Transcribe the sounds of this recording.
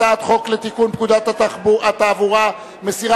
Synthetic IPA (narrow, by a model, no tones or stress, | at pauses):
at̪χo̞klet̪ikunp̚kud̪at̪aaat̪aːvuʁa | mesiʁa